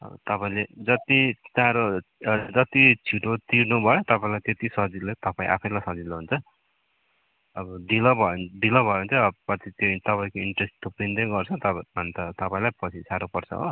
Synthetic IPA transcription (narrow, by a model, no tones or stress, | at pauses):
ʌ̰b̰t̪ʌpaĩled͡zʌt̪it̪ãɾod͡zʌt̪it͡sʰiʈot̪iɾnubʱʌjot̪ʌpaĩlajt̪et̪isʌd͡zilet̪ʌpaĩʔa̰pʰʌj̃lajsʌd͡ziloɦunt͡sʰʌ | bʌd̪ilʌbʱʌd̪ilʌbʱʌeũnt̪ʰʌːbpʌt̪it̪jot̪ʌpaĩkoiɳʈresʈt̪opind̪ʌjɡʌrt͡sʰʌt̪ʌʌnt̪ʌt̪ʌpãĩlajpʌt͡sʰisaɾopʌrt͡sʰʌ̰ɦo̰